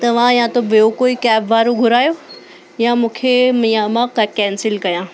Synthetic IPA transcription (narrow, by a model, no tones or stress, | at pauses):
t̪ɐʋ̤ãjãt̪obijokoːikɛːbʋaːɾoɡʱʊɾaːjoː | jãmũːkʰemjãmãkːkɛ̃ːnsɪlkɐjãː